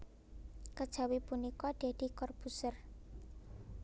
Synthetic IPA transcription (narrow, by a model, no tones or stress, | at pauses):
kəd̥ʒ̥a̤wipunikɔɖ̪̥e̤d̪̥i̤kɔrb̥usər